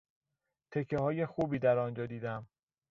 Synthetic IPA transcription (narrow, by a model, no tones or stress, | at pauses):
t̪ʰe̞cʰːehɒːje̞xuːbiːd̪æɾɒnd͡ʒɒːd̪iːd̪æm